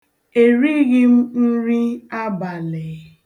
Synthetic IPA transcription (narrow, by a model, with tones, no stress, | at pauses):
e˨ɾi˦ɣɪ˦m̩˦n̩˦ɾi˦a˦ba˨le˨